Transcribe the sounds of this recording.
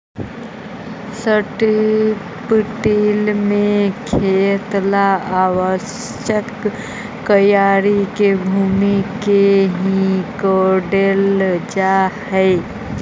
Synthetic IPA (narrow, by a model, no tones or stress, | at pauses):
səʈi | pɪʈilmẽkʰet̪laaːwəʃ | jəkː | əjaːɾikebʱuːmikeɦĩkoɖeld͡ʒahɛɪ